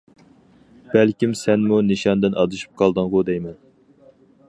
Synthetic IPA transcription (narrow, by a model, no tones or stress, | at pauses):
b̥ælkʲimsɛnmuniʃɑnd̪ɪnɑd̪ɨʃu̥p̚qʰɑlˠd̪ɨŋʁʊd̪ɛjmɛn